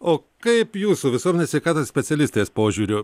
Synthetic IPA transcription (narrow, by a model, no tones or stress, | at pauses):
oːkɐɪpjuːsuʋʲɪsuɔmʲɛnʲesʋʲɛɪkɑːt̪oːssʲpʲɛt̪sʲɛlʲɪsʲt̪ʲeːspoːʒʲuːɾʲʊ